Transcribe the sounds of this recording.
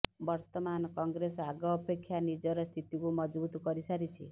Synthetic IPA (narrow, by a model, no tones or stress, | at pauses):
bɔɾt̪ɔmanɔkɔŋɡɾesaɡɔːpekʰːjanid͡ʒɔɾɔst̪ʰit̪ikumɔd͡ʒbut̪ɔkɔɾisaɾit͡ʃʰi